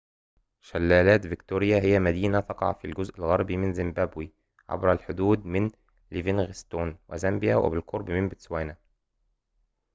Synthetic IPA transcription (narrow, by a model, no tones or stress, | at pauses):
ʃælːæːlæːt̪vɪkt̪uːɾɪjæɦɪjæmæd̪iːnæt̪ɑqɑ̰ʕ̰filɡʊzʔɪlɣɑɾˤbimɪnzɪmbæːbwi | ʕa̰bɾælħʊd̪uːd̪̚mɪn | livinɣɪst̪oːnwɪ̰zæmbɪjæwʔɪ̰bɪlqoɾˤbmɪnbɪt̪swæːna